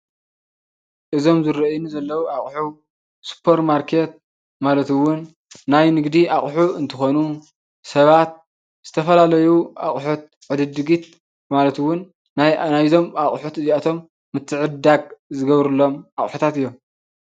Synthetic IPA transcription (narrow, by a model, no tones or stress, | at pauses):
ʔɨzo̞mzɨɾɐʔjnzɐlːɐwuaχʼħu | su̥pʰeɾmaɾkʰe̞t̪̚ | malɐt̪ɨwʊnː | ajnɨɡd̪iʔaχʼħuɨnt̪ʰɨxo̞nu | sɐβat̪̚ | z̥ɨt̪ʰɐfɐlalɐjua̰χʼħut̪̚ | ʕɨd̪ɨd̪ɨɡit̪̚ | malɐt̪ɨwʊnː | ajajzo̞maχʼħut̪ɨziat̪ʰo̞mː | ɨt̪ʰːɨʕɨd̪aɡ̚zɨɡɐβɾɨlːo̞mʔaχʼħut̪ʰat̪ɨjːom